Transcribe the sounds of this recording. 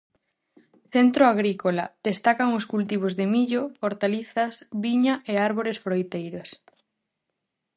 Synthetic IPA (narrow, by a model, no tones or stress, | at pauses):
θent̪ɾoaɣɾikolad̪̥est̪akaŋʊskult̪iβ̞ozðɪmiʎooɾt̪aliθɐsβiɲaʔeaɾβoɾesfɾojt̪ejɾas